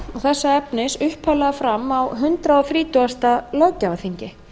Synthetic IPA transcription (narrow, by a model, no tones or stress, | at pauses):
ɔɣθɛsːaɛpnɪsʏhpʰalaɣafɾamːawɦʏnt̪ɾaɔθɾiːt̪uast̪alɔwcːavaθiɲcɪ